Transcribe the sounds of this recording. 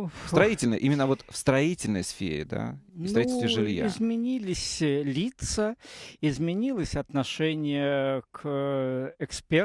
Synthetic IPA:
fst̪ɾɐitʲɪlʲnəjʔimʲɪnːəvo̞t̪fst̪ɾɐitʲɪlʲnə̰jsfʲḛɾʲɪ̰d̪a̰nst̪ɾɐiɪlʲst̪vɪʐɨlʲja̰ɪzmʲɪnʲilʲɪsʲlʲit̪səɪzmʲɪnʲilˠəsʲɐt̪nɐʂɛnʲɪjək | ɛkspʲe

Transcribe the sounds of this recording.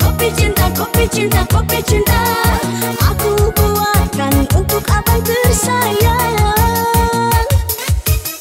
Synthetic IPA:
ɔpit͡ʃint̪akɔpit͡ʃint̪akɔpit͡ʃint̪a | ʔakubuakanunt̪ʊkabajpərsajaa | n

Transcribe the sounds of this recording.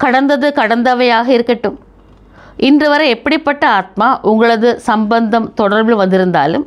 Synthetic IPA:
kɐɽɐnd̪ɐðɯkɐɽɐnd̪ɐʋɐjaːɣɐɪɾɯkːɐʈːɯm | ʔɪndrɯʋɐɾɐɛpːɐɽɪpːɐʈːɐaːt̪̚maːʔʊŋɡɐɭɐðɯsɐmbɐnd̪ɐmt̪ɔɽɐɾʋɯɭʋɐnd̪ɪɾɯnd̪a̰ːlɯm

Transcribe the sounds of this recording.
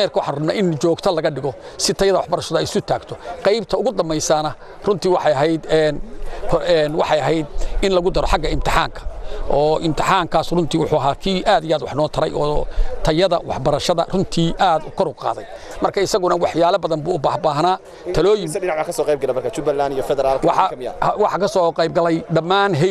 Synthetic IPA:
mɛrkʰɐwɑħɑnrʊmna̰ːʔɪnt͡ʃɔːɡt̪ʰɐlɐɣɐɖɪɣɔ | sɪt̪ʰɐjɐðɐwɑħbɐɾɐʃɐðɐɛjsʊt̪ʰaːɡt̪ʰɔqɛjbt̪ʰɐʊɣʊd̪ɐmbɛjsanɐ | rʊnt̪ʰiːwɑħɑjɐɦɛjd̪ɛnkʰɛnwɑ̰ħɑjɐɦɛjd̪ɪnlɐɣʊd̪ɐɾɔħɑɡɐɪmt̪ʰɪħa̰ːŋkʰɐ̥ʔɔːʔɪmt̪ʰɪħaːŋkʰaːsrʊnt̪ʰiːwʊħuɐɦaːkʰiːʔaːd̪ɪjaːd̪wɑħnɔːt̪ʰɐɾɛ̰jʔɔːt̪ʰɐjɐðɐ̰wɑ̰ħbɐɾɐʃɐðɐ̰rʊnt̪ʰiːʔaːd̪ʊkʰɔɾʊɡqɑ̰ːðɛ̰j | mɐrkʰɐɪsɐɣʊnɐwɑħjaːlɐbɐðɐmbuːʊbaːhbaːɦnaː | tʰɐlɔːjɪmɪnaʕbakʰɐsɔːqejbɡɐlɛmɐrkʰɐt͡ʃʊbɐlːanijɔfɛðɛɾaːlkwɑɑɐmj̰wɑħɑkʰɐsɔːqɛjb̚ɡɐlɛjɖɐmːaːnɦɛ

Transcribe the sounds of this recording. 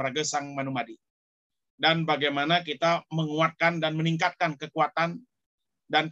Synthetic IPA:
əɾaɡəsaŋmanumadi | danbaɡajmanakit̪aməŋuat̪̚kandanməniŋkat̪̚kankəkuat̪an | dan

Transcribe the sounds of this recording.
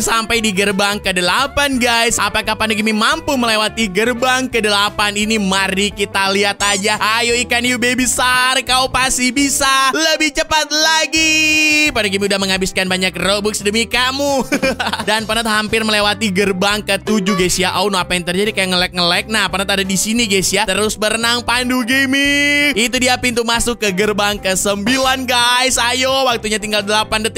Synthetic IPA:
sampajdiɡərbaŋkədəlapanɡajsapakahpanokimimampuməlewat̪iɡərbaŋkədəlapaninimaɾikit̪aliat̪ad͡ʒaʔajoikanjubebisarkaupasibisaləbɪht͡ʃəpat̪̚laɡipanakimiudahməŋabɪskanbaɲak̚robʊksdəmikamu | danpərnət̪̚hampɪrməlewat̪iɡərbaŋkət̪ud͡ʒuɡasijaʔaunoapajaŋt̪ərd͡ʒadikajaŋəlɛk̚ŋəlɛk̚nahpərnət̪adadisiniɡasijat̪əɾʊsbəɾənaŋpanduɡimiit̪̬udiapint̪umasʊkːəɡərbaŋkəsəmbilanɡajsajowak̚t̪uɲat̪iŋɡaldəlapandət̪i

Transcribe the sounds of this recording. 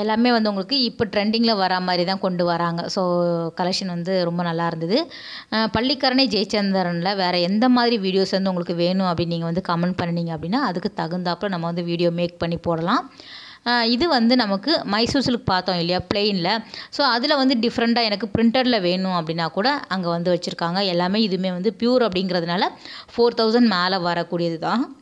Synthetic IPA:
ɛlːaːmeːʋɐnd̪ɯʊŋɡɐɭɯkːɯɪpːɔʈɾɛɳɖɪŋɡlɐʋɐɾɐmaːðɪɾit̪ãːkɔɳɖɯʋɐɾaːŋɡɐsoːkɐlɛkʂɐnʋɐnd̪ɯɾɔmbɐnɐlːaːɪɾɯnd̪ɐðɯ | pɐɭːikːɐɾɐɳɐd͡ʒeːt͡ʃːɐnd̪ɐɾɐnlɐʋeːɾɐɛnd̪ɐmaːðɪɾiʋiːɽɪjoːsʋɐnd̪ɯʊŋɡɐɭɯkːɯʋeːɳʊ̃ɐpːɐɽɪiniːŋɡɐʋɐnd̪ɯkɐmɛɳpɐɳːɐɳiːŋɡɐpːɐɽɪnːaːɐðɯkːɯt̪ɐɣɯnd̪aːpːlɐ̃nɐmːɐʋɐnd̪ɯʋiːɽɪjoːmeːk̚pɐɳːipoːɽɐlãː | ɪðɯʋɐnd̪ɯnɐmɐkːɯmɐɪsuːsɪlkːɯ̥paːɾt̪õːɪlːɐjaːpɭeːnlɐsoːɐðɪlɐʋɐnd̪ɯɖɪfɐɾɐɳʈaːɛnɐkːɯpɪɾɪɳʈɐɾɪlɐʋeːɳʊ̃ɐpːɐɽɪnːaːkuːɽɐʔɐŋɡɐʋɐnd̪ɯʋɐt͡ʃːɯɾɯkːaːŋɡɐɛlːaːmeːɪðɯmeːʋɐnd̪ɯpjuːɾɐp̬ːɐɽɪŋɡɪɾɐðɯnaːlɐfoːɾt̪ʰɐʊsɐɳɖmaːlɐʋɐɾɐkːuːɽɪjɐðɯt̪ãː

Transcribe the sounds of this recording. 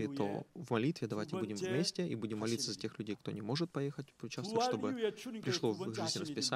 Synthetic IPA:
ɪt̪o̞̰vmɐlʲit̪vʲɪd̪ɐvajtʲɪbbudʲɪmvmʲesʲtʲɪʔibudʲɪmːɐlʲit̪səzɐtʲe̞xlʲʉdʲejkt̪o̞nʲɪmo̞ʐɨt̪̚pɐjexət̚ʲvʊt͡ɕasəʂto̞bɨpɾʲɪʂlˠovʐʲɨzʲnʲrəspʲɪsa

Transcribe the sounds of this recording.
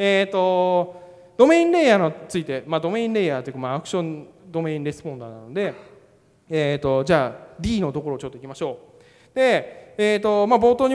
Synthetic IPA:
eːt̪o̞ | d̪̥o̞mẽ̞ːĩnɾe̞jaːnot͡sɨit̪e̞mad̪o̞mẽ̞ːĩnɾe̞ːjaːt̪ejiɯ̟kamaːkɯ̟̥ɕõ̞nd̪o̞me̞ːĩnɾe̞sɨ̥põ̞nd̪aːna̰no̞d̪e̞ | et̪o̞d͡ʑaːɾʲiːno̞t̪o̞ko̞ɾo̞ːt͡ɕo̞t̪ːoikʲimaɕo̞ː | d̪̥e̞eːt̪o̞mabo̞ːt̪o̞ːɲ̟i

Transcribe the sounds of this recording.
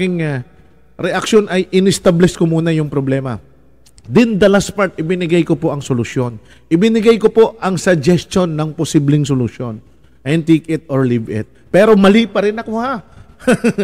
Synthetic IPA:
ɪŋa | ɾɛʔɐkʃo̞nʔɐjʔɪnɪst̪ablɛskomuːnɐjʊŋpɾoblɛːmɐ | d̪ɪnd̪ɐlaspaɹt̪̚ʔɪbɪnɪɡajko̞po̞ʔɐŋsolʊsjo̞n | ʔɪbɪnɪɡajkopo̞ʔʔɐŋsɐd͡ʒɛst̪o̞nːɐŋposiblɪŋsʊlʊʃo̞n | ʔɐjnt̪iːkɪt̪̚ʔoɹlivɪ̰t̪̚pɛːɾo̞mɐliːpɐɾɪnɐkoha

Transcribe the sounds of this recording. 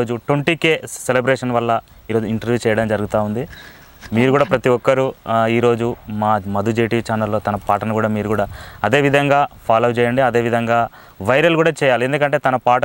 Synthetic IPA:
oːd͡ʒuʈʋɐɳʈike̞ːselebɾeːʂɐnʋɐlːɐ | iːɾo̞ːd͡ʒuiɳʈɐɾʋjuːt͡ʃɛːjɐɽɐmd͡ʒɐɾuɡut̪aːund̪i | miːɾuɡuːɽaːpɾɐt̪iʋɔkːɐɾuiːɾo̞ːd͡ʒumaːmɐd̪ʱud͡ʒeːʈit͡ʃaːnɐlːo̞ːt̪ɐnɐpaːʈɐnɐkuːɽaːmiːɾuɡuːɽaːɐd̪e̞ːʋid̪ʱɐŋɡaːpʰaːlɐwt͡ʃɛːjɐɳɖiɐd̪e̞ːʋid̪ʱɐŋɡaː | ʋɐjɾɐlkuːɽaːt͡ʃɛːjaːlie̞nd̪ukɐɳʈ̬e̞ːt̪ɐnɐpaːʈ

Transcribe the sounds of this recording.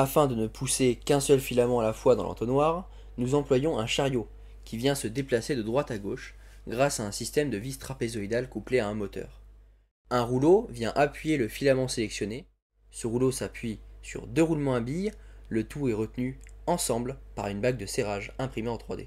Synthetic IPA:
afɛ̃d̪ənəpʰusekɛ̃sœlfilamɑ̃alafwad̪ɑ̰̃lʔɑ̰̃t̪χənwaʁ | nuzɑ̃plwajɔ̃ɛ̃ʃaʁjo | kʲivjɛ̃səd̪eplased̪əd̪ʁwat̪aɡoʃ | ɡʁasaɛ̃sist̪ɛmd̪əvist̪χapezɔid̪alkupleaɛ̃mɔt̪œ̰ːʁ | ɛ̃ʁulovjɛ̃ʔapɥijeləfilamɑ̃selɛksjɔne | səʁulosapɥisy̰ʁd̪øʁulmɑ̃ãbijlət̪uɛʁət̪nyɑ̃sɑ̃blpa̰ʁynbaɡ̚d̪əseʁaʒɛ̃pχimeɑ̃t̪χwa̰d̪ḛ

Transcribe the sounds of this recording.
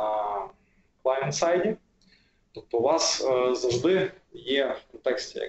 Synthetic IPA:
klˠɑjɛnt̪sajdʲɪ | t̪ɔp̚t̪ɔʊʋɑszɐʐd̪ɪjefkɔnt̪ɛksʲtʲɪjɐ̰

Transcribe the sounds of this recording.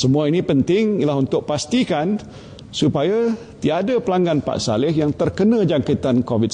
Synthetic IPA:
səmũainĩpənt̪ɪŋilaɦunt̪ʊʔ̚past̪ikan | supaja | t̪iadapəlaŋɡanpa̰ʔsa̰lɪhjaŋt̪ərkənãd͡ʒaŋkat̪ankovid̚

